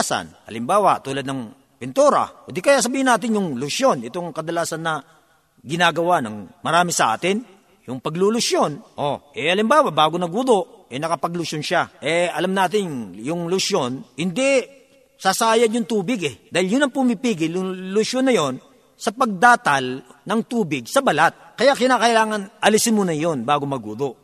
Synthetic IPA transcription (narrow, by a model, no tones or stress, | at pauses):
sɐ̰nʔɐ̰lɪmbaːwat̪uːlɐd̪̚nɐŋ | pɪnt̪uɾɐ̰d̪ikɐjas̬ɐbiːhɪnaːt̪ɪnjʊŋlʊʃjonɪt̪oŋkɐd̪ɐlaːsɐnːɐ | ɡɪnaːɡɐwanɐ̰ŋmɐɾaːmɪsɐʔa̰ːt̪ɪn | jʊŋpɐɡlulʊʃjonʔoʔɛʔɐlɪmbaːwabaːɡonɐɡ̚ʊd̪oʔʔɛnɐkɐpɐɡlʊʃonʃaʔɛɐlamnaːt̪ɪnjʊŋlʊʃjo̞nhɪnd̪ɛ | sasaːjɐdjʊŋt̪uːbɪɡɛd̪aːhɪljʊnɐŋpumipiːɡɪljʊŋlʊʃjonːɐjo̞n | sɐpɐɡ̚d̪aːt̪ɐlnɐŋt̪uːbɪɡ̚sɐbɐlat̪̚kɐjaʔkɪnaːkɐʔɪlaːŋɐnʔɐlisɪnmuːnɐjo̞nbaːɡomɐɡṵd̪oʔ